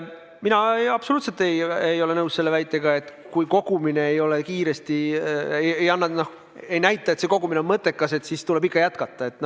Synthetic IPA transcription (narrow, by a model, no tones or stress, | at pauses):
minɑeɑb̥souːt̪se̞lt̪e̞jejo̞le̞nɤwsse̞lːevæjt̪ːˑe̞ɡ̥ɑe̞t̪ | kujko̞ɡ̥umine̞ejo̞lekiːɾe̞st̪iejejɑnːɑnoh | e̞jnæjt̪ːˑɑet̪se̞ko̞ɡ̥umineonmɤt̪ːˑe̞kːˑɑse̞t̪sist̪ule̞bikːɑjæt̪kɑt̪ːˑɑe̞t̪ːˑn